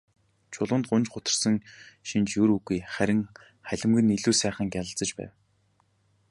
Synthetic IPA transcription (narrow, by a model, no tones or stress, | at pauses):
t͡ɕʰʊɮʊ̆ːnt̪̚ɢʊnt͡ɕɢʊt̪ə̆rsə̆ŋʃint͡ɕjɵɾuɣujχæɾʲɪ̆ŋ | χæɮʲɪ̆mɡɘ̆niɮuːsæːχə̆ŋɡʲjaɮə̆ɬt͡sə̆t͡ɕpæ̰ːw